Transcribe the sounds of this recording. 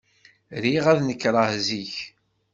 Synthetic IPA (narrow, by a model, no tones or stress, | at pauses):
ɾiʁæðnəkːɾˤɑhziç